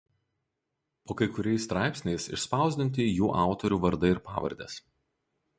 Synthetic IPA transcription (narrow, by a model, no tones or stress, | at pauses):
poːkɐɪkʊɾʲɛɪsːt̪ɾɑˑɪpsʲnʲɛɪsɪ̰ʃspɑˑʊzʲd̪ʲɪnʲt̪ʲɪjuːʔɑˑʊt̪ɔɾʲuːʋɐɾd̪ɐɪɾpɑ̰ːʋɐ̰ɾʲd̪ʲɛ̰s